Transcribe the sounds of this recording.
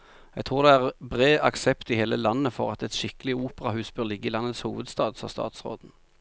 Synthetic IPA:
ɛɡt̪ʰʁuːʁd̪ɛæʁbʁeːʔɑksɛpt̪ɪheːləlɑnəfɔʁɑt̪ɛt̪ʃɪkəlɪuːpəʁɑhʉːsb̥øːlɪɡəɪlɑnːət̪shuːʋəd̪st̪ɑːd̪fɑ̰st̪ɑ̰ːt̪sʁo̰ːd̪n̩

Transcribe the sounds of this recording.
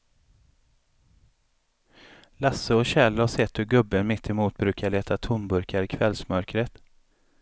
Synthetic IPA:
lasːəɔɕɛlːaʂɛt̪hɵɡɵbːənmɪt̪ʰːɪmuːt̪̚bɾʉ̟ːkʰaɭeːt̪ʰat̪ʰʊnbɵɾkʰaɾɪkʰvɛlsmœɾkɾət̪

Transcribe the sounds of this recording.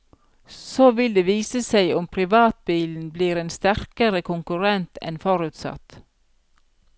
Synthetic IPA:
soːʋɪld̪eːʋiːsəsæɪʊmpʰɾɪʋɑːt̪̚biːln̩bliːɾeːnst̪æɾkəɾəkʰʊŋkʉɾɛnt̪ɛ̰nfɔɾʉːt̪sɑ̰t̪

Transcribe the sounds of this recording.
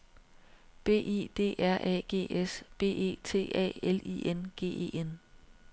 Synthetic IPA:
b̥e̝̰ːʔe̝̰ːd̥e̝̰ːʔæɐ̰ʔɛ̰ːɡ̥e̝̰ːesb̥e̝̰ːe̝̰ːt͡sʰe̝̰ːɛ̰ːelḭːenɡ̥e̝̰ːe̝̰ːen

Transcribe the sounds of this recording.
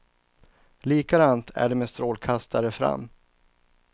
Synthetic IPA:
liːkad̪aːnt̪ʰæ̰ɖɛmeːst̪ɾoːlkʰast̪ʰaɾəfɾa̰mː

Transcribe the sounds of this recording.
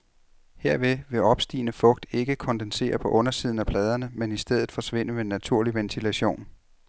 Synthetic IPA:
he̝ɐ̰ʋe̝ʋe̝ɒ̽b̥sd̥ḭːnəfɔ̽ɡ̥̚d̥e̝ɡ̥əkʰɒ̽nd̥ense̝̰ːɐpʰɒ̽ʔɔ̽nɐsiðˠn̩æpʰlɛːð̞ˠɐnəmenisd̥eð̞̰ˠð̩ˠfɒ̽sʋe̝n̰əʋenːæt͡sʰuɐ̰liʋent͡sʰilæɕo̝̰ːn

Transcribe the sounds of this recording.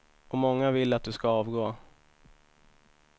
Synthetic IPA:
ɔmɔŋːavɪlːat̪̚d̪ɵskaɑːvɡoː

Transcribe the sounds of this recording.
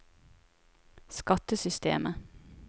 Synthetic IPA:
skɑt̪əsʏst̪ḛːmə

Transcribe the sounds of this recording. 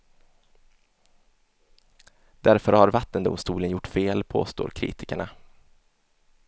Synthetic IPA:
d̪̥æɾfœɾhaɾvat̪ːənd̪ʊ̰mst̪uːlənjʊʈːfeːlpʰo̰ːst̪o̰ːɾkʰɾḭːt̪ɪ̥kəɳa

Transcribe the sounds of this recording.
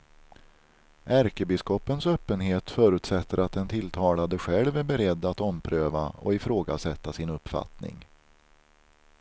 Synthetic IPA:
ʔæɾkəbɪskɔpːənsøːpːənɦeːt̪fœːɾʉ̟ːt̪sɛt̪ːəɾat̪̚d̪ɛnt̪ʰɪlːt̪ʰɑːlad̪əɧɛlvæɾbɛɾɛd̪ːat̪ɔmpʰɾøːva̰ɔ̰ɪfɾoːɡa̰sɛt̪ːasɪnɵpfa̰t̪nɪ̰ŋ

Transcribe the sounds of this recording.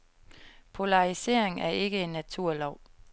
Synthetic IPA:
pʰo̝lɑ̈ʁise̝ɐ̰e̝ŋæɐe̝ɡ̥əe̝nːæt͡sʰuɐ̰lɒʊ̰

